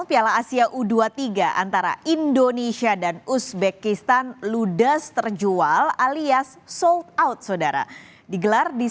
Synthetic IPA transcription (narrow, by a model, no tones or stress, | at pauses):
pialaasiaʔuduat̪iɡaʔa̰nt̪aɾa̰indonesiadanusbekist̪anludəst̪ərd͡ʒualaliasːɔlt̪̚awt̪̚sodaɾa̰ | diɡəlardi